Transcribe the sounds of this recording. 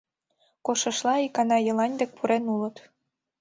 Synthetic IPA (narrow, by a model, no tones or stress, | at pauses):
koʃə̆ʃlɑikɑnɑjɤ̆lɑnʲd̪ek̚pʰuɾenulə̆t̪